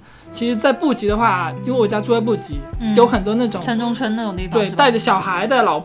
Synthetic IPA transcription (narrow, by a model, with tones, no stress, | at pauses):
t͡ɕʰi˧˥ʂɻ̩˧˥t͡sa˥˧ɪpu˥˩t͡ɕi˧˥d̪ə˧xwa˥˩i˥we˥˩ɪwɔ˨˩t͡ɕja˥u˥˩ə˥p̬u˥˩t͡ɕi˧˥jo˧˥ʊxə˨˩nt̪wɔ˥na˥˩ʈ͡ʂʊ˨˦ə˧˥nʈ͡ʂʊ˥ŋʈ͡ʂʰə˥nn˥˩ʊ˨˩˧t̪we˥˩ɪ˧t̪a˥˩ɪʈ͡ʂə˩ɕjɑ˨˩ʊxa˧˥ɪd̪ə˥˧lɑ˨˩ʊp